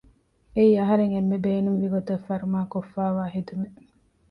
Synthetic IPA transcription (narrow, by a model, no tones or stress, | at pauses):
eiɐɦɐɾeŋemːebeːnuŋʋiɡot̪ɐfɐɾumaːkofːaːʋaːɦed̪ume